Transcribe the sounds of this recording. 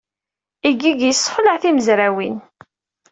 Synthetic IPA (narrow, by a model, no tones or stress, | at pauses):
iɡiɡjəsˤːχələʕθiməzɾæwin